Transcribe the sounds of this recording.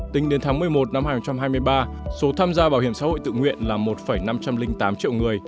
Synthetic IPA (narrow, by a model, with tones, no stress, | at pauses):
t̪ï˨˦ŋɗe˨˦nt̪ʰaː˨˦ŋmɨ˨˩əjmo˨˩t̚na˧mhaː˨˩nho˧ŋ͡mt͡ɕa˧mɦaː˧jmɨ˧əjɓaː˧ | so˨˦t̪ʰaː˧mzaː˧ɓaː˧˩whi˧˩əmsa̰ː˧˥ho̰˧˨jt̪ɨ̰˧˨ŋwḭ˧˨ənlaː˨˩mo˨˩t̚fə˧˩jna˧mt͡ɕa˧mlï˧ŋ̟t̪aː˨˦mt͡ɕḭ˧˨wŋɨ˨˩əj